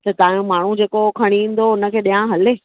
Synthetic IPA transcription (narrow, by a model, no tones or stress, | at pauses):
t̪ɐt̪aːjũmaːɳ̤ud͡ʑeːkokʰɐɽ̃iʋĩːn̆d̪oʊnə̆kʰeːɗijãɦɐleː